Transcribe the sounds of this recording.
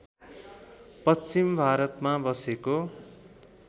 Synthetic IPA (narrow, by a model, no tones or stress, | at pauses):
pʌt͡simbʱaɾʌt̪mabʌseko